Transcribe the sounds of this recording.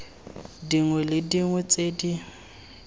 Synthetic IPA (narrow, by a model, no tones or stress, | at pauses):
diŋwɛlɪdiŋwɛt͡sʼedi